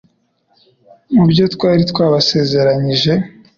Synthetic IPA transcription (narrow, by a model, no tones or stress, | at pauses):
mubjo̞tkwaːɾitwaːβase̞ːze̞ɾaɲiʒe̞